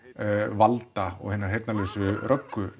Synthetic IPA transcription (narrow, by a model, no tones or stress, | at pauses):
valt̪aɔ̰ɣhɪnːaɾ̥ɦejɾt̪nalesʏɾœkːʏ